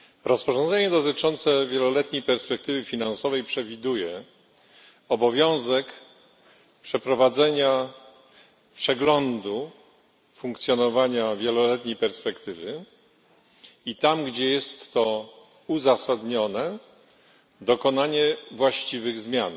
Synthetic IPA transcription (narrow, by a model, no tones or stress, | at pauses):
ɾɔspɔʐɔ̃nzɛɲɛd̪ɔt̪ɘt͡ʂɔnt̪sɛvʲjɛlɔlɛt̪ɲejpɛɾspɛkt̪ɘvɘfʲinansɔvɛjpʂɛvʲid̪ujɛ | ɔbɔvʲjɔ̃w̃zɛk | pʂɛpɾɔvad̪zɛɲa | pʂɛɡlɔnd̪u | fũŋkt̪sʲjɔnɔvaɲavʲjɛlɔlɛt̪ɲejpɛɾspɛkt̪ɘvɘ | it̪amɡd͡ʑɛjɛst̪ːɔ | uzasad̪ɲɔnɛ | d̪ɔkɔnaɲɛvwaɕt͡ɕivɘɣzmʲjan